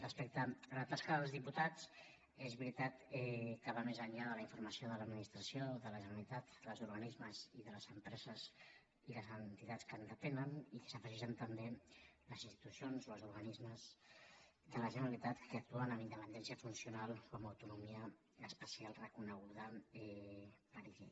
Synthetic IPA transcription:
rəspek̚t̪əːlat̪askəðəlˠzðiput̪at͡s | ezβɾit̪at̪ɛkəβamezəɲʎaðələiɱfuɾməsioðələːd̪minist̪ɾəsioðələʒənəlit̪at̪əlˠzuɾɣənizməziðələzəmpɾɛzəz | iləzənt̪it̪at͡skənd̪ət̪ɛnənikə̥səfəʒeʒənt̪əmbeləzinst̪i̥t̪usionzoəzuɾɣanizməz | d̪ələʒənəɾəlit̪at̪kəək̚t̪uənəmind̪əpənd̪ɛnsiəfunsiunalˠkɔməwt̪unumiəː | spəsialˠrəkunəɣ̞uðəɛpəɾiʒḛ

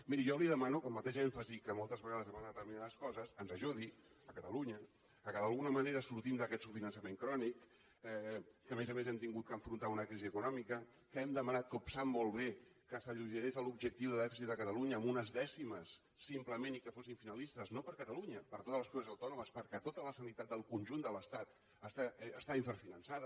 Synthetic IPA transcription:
miɾijɔliðəmanukəlˠmət̪eʃɛɱfəzikəmolˠt̪əzβəɣaðəzəβanðət̪əɾminaðəskɔzəsənzəʒuði | əkət̪əluɲə | kəkəðəlˠɣunəməneɾəsuɾt̪imd̪əkɛt̪sufinənsəmeŋkɾɔnik | ɛːəmezəmezɛmt̪iŋɡut̪̚kəɱfɾunt̪aunəkɾiziəkunɔmikə | kəɛmd̪əmənat̪̚kəupsamːolˠβekəsəʎuʒəɾezəlubʒək̚t̪iwðəðɛfisit̪̚d̪əkət̪əluɲəːmunəzðɛsiməsː | impləmenikəfosiɱfinəlist̪əznopəɾkət̪əluɲəpəɾt̪ot̪ələspɾuəzəwt̪ɔnuməspəɾkɛt̪ot̪ələsənit̪at̪̚d̪əlˠkunʲʒund̪ələst̪at̪ | əst̪aːst̪aiɱfəɾfinənsaðə

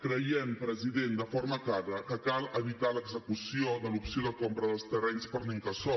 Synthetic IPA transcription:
kɾəjɛmpɾəziðend̪əfoɾməklaɾəkəkalˠəβit̪aləɡzəkusioðəlupsioðəkompɾəðəlˠst̪ərɛɲspəɾniŋkəsɔ

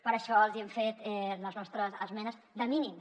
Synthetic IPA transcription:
pəɾəʃɔlˠziɛmfet̪ɛləznɔst̪ɾəzəzmɛnəz | d̪əminim

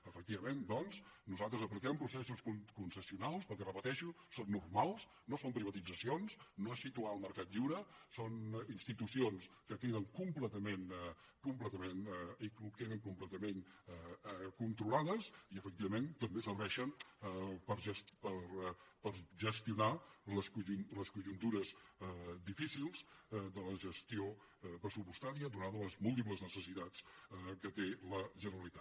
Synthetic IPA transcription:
əfək̚t̪iβəmend̪ɔnznuzalˠt̪ɾəzəplikɛmpɾusɛsuskunkunsəsiunalˠspəlˠkɛrəpət̪ɛʃu | sonːurmalˠs | nosompɾiβ̞ət̪id͡zəsionsnoesːit̪uaəlˠməɾkat̪ʎiwɾəsoninst̪it̪usions | kəkeðəŋkumplɛt̪əmenɛ | kumplɛt̪əmenɛiklukeðəŋkumplɛt̪əmenɛkunt̪ɾulaðəsiəfək̚t̪iβəment̪əmbesərβɛʃən | pəɾʒəspəɾpəɾʒəst̪iunaləskuʒunləskuʒunt̪uɾəz | d̪ifisilˠz̥d̪ələʒəst̪io | pɾəsupust̪aɾiəd̪unaðələzmulˠt̪̬ip̬ləznəsəsit̪at͡skət̪eləʒənəɾəlit̪a

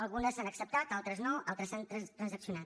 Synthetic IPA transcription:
əlˠɣunəsanəksəp̚t̪at̪alˠt̪ɾəznoalˠt̪ɾəsanərəsəksiunat̪

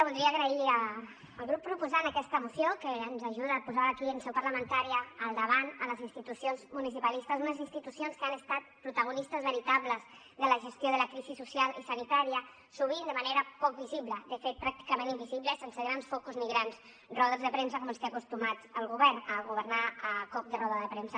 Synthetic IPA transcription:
βulˠd̪ɾiaːɣɾəiəː | lˠɣɾupːɾupuzanəkɛst̪əmusjokəːnzaʒuðaːpuzaβaːkiənsɛwpəɾləmənt̪aɾiəːlˠd̪əβanələzinst̪it̪usionzmunisipalist̪əzunəzinst̪it̪usionskəanəst̪at̪̚pɾut̪əɣ̞unist̪əzβəɾit̪aβləz | ðələʒəst̪joðələkɾizisusjalisənit̪aɾiə | suβ̞ind̪əmaneɾəpɔk̚biziβləd̪əfet̪̚pɾak̚t̪i̥kəmẽnimbiziβləsensəɣɾansfɔkuzniɣɾans | rɔðəzðəpɾemsəkɔməst̪eakust̪umat̪əlˠɣuβɛrnəɣuβ̞əɾnaəkɔk̚d̪ərɔðəðəpɾemsə

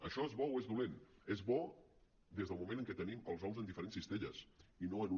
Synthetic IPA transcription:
əʃɔezβɔoezðulenezβɔ | d̪ezð̞əlˠmumẽnəŋkɛt̪əniməlˠzɔwzənd̪ifəɾensist̪eʎəsinoənu

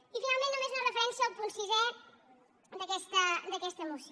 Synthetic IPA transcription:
ifinalˠmẽnːumeznərəfəɾɛnsiəlˠpunsizɛ | d̪əkɛst̪əd̪əkɛst̪əːmusi

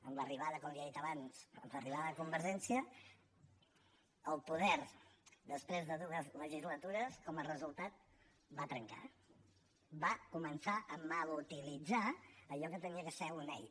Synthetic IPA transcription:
əmləriβaðəkɔmliəðit̪əβanzə̰mləriβ̞aðəðəkumbəɾʒɛnsiə | lˠpuðɛɾd̪əspɾezðəðuəzləʒizlət̪uɾəskɔmərəzulˠt̪at̪̚ | bat̪ɾəŋka̰ | bakumənsaʔəməlut̪ilid͡zaəʎɔkət̪əniəkəsɛunɛj

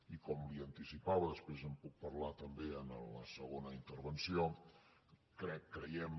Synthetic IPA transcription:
ikɔmliənt̪isipaβəðəspɾezəmpuk̚pəɾlat̪əmbeənələ̰səɣonəint̪əɾβənsio | kɾɛkːɾəjɛm

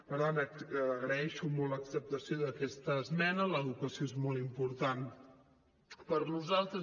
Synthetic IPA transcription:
pəɾt̪anəːɣɾəɛʃumɔlləksəp̚t̪əsioðəkɛst̪əːzmɛnələðukəsioezmɔlˠimpuɾt̪an | pəɾnuzalˠt̪ɾə

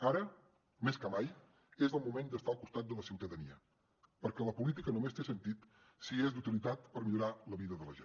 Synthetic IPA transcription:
aɾə | meskəmaj | ezəlˠmumend̪əst̪aəlˠkust̪at̪̚d̪ələsiwt̪əðəniə | pəɾkɛləpulit̪ikənumest̪esənt̪it̪ | siezd̪ut̪ilit̪at̪pəɾmiʎuɾaləβiðəðələʒe

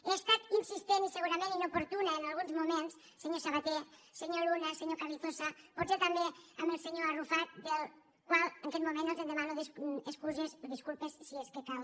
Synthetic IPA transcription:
eest̪at̪insist̪eniseɣuɾamẽninopoɾt̪unaenalˠɣ̞unzmumens | seɲosaβat̪eseɲolunaseɲokariθosapɔtset̪ambeamelˠseɲoarufat̪̚d̪el | kwaleŋkɛt̪mumẽnt̪elˠzend̪emanoðeseskuzesoðiskulˠpessieskekal

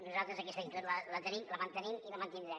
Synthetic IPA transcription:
nuzalˠt̪ɾəzɐkɛst̪ɐit̪oɾləlɐt̪ənimlɐmɐnt̪ənimilɐmɐnt̪ind̪ɾɛm

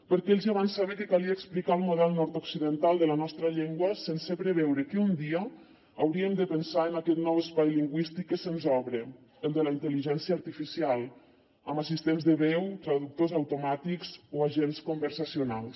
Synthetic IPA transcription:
pəɾkeʎziaβansaβekekaliaːksplikalˠmuðɛlˠnɔɾt̪oksiðənt̪alˠd̪əlanɔst̪ɾəʎɛŋɡwəsensepɾeβɛwɾəkeund̪iəː | wɾiəmd̪əpənsaənakɛt̪nɔwəspajliŋɡwist̪ikːəsenzɔβɾə | əlˠd̪əlaint̪əliʒɛnsiaːɾt̪ifisialˠ | əmasist̪enzðəβɛwt̪ɾaðuk̚t̪ozawt̪umat̪ikzoaʒenskumbəɾsasiunalˠs

